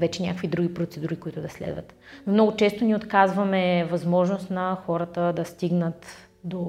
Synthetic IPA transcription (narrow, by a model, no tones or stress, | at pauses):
vɛt͡ʃɛnʲakvid̪ɾuɡʲipɾot̪sɛd̪uɾikoit̪ʊd̪ɐslɛ̰d̪və̰t̪ | nomnɔɡʊt͡ʃɛst̪oniot̪kazvɐmɛvɐzmɔʒnost̪nɐxɔɾət̪əd̪ɐst̪iɡnət̪ | d̪o